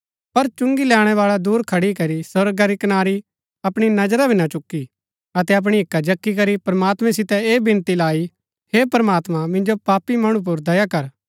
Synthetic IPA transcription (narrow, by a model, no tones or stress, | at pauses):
pɐɾt͡ʃʊ̃ŋɡilɛːɽ̃ɛʋaːɭad̪uːɾkʰɐɽikɐɾisɐɾɡaɾikɐnaːɾi | ɐpɽ̃inɐd͡ʒɾabʱɪnat͡ʃʊkːi | ɐt̪ɛɐp̬ɽ̃iɦɪkːad͡ʒɐkːik̬ɐɾipɾɐmaːt̪mɛ̃sɪt̪ɛeːbɪ̃nt̪ilaːi | hepɾɐmaːt̪mãmɪ̃nd͡ʒopaːpːimɐɽ̃ũp̬ʊɾd̪ɐjakɐɾ